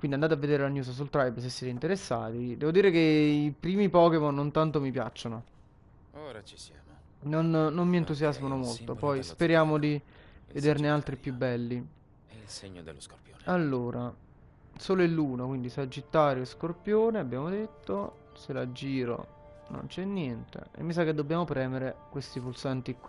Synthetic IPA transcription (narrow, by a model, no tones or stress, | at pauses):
kwindiand̪at̪eavːed̪eːɾelanjuːs̬s̬ult̪ɾajbs̬esːɛːt̪eint̪eɾesːa̰ːt̪id̪ɛːvod̪iːɾekeipɾiːmipɔːkemonːont̪ant̪omipja̰t͡ʃːono | nonnomːient̪usjazmanomolt̪opɔjspeɾjaːmod̪ived̪ernealt̪ɾipjubːɛlːi | alːoːɾʔa | soːloilːuːnokwind̪isad͡ʒːit̪ːaːɾjoeskorpjoːneabːjaːmod̪et̪ːo | selad͡ʒiːɾo̰ | no̰nt͡ʃɛnːjɛnt̪ḛḛmːis̬akːed̪ːobːjaːmopɾɛːmeɾekwest̪ipulsant̪ikːi